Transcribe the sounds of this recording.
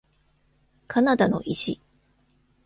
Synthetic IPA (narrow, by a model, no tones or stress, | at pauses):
kʰanad̪ano̰ʔiɕḭ